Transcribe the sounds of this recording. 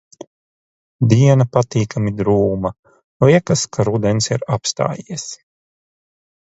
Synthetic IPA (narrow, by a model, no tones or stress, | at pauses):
d̪iɛnapat̪iːkamid̪ɾuːmɐ | liɛkaskʰaɾud̪ɛnsiɾapst̪a̰ːjiɛs